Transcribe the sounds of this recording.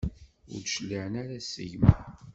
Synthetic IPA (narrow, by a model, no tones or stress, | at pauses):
ʊ̰ɾdʃlːiʕənaɾasə̰ʝm